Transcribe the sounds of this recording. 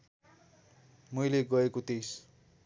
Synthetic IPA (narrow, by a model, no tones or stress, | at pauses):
mʌjleɡʌekot̪es